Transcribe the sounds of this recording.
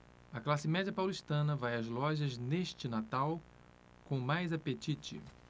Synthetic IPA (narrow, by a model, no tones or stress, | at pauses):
ɐklasɪmɛd͡ʒiɐpawliʃt̪ɐ̃nɐvajɐzlɔʒɐzneʃt͡ʃɪnat̪aw | kõmajzapet͡ʃit͡ʃɪ̰